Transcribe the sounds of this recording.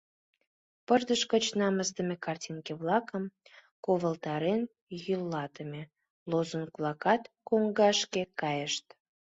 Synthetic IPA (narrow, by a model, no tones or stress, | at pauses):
pəʒd̪əʃkət͡ɕnɑməst̪əmekɑrtʲinkeβlɑkəm | koβəlt̪ɑɾen | jylːɑt̪əme | lozənklˠɑkɑt̪koŋɡɑʃkekɑjəʃt̪